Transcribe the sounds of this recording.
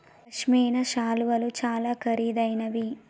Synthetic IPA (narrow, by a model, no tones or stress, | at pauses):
ɐʃmiːjnɐʃaːluʋɐlut͡ʃaːlaːkʰɐɾiːd̪ɐjnɐʋi